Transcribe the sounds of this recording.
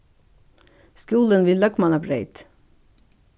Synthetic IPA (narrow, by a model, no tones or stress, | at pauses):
skuːlənʋɪlːœkmɑnɑbɾeɪt̪